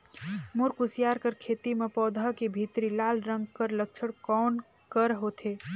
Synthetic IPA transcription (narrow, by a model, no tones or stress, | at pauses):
mʊɾkʊsijaːɾkəɾkʰeːt̪imẽpɔːd̪ʱakebʱit̪ɾilaːlɾə̃ŋɡkəɾlək̚t͡ʃʰəɽkɔːn | kəɾɦot̪ʰeː